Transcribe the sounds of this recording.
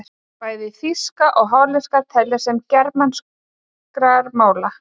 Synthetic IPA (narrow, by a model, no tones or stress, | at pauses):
paːjðɪfiskaʔɔɣɦawlɛskat̪ʰɛlːɪsɛmcɛɾpmans | kɾaɾmaːwla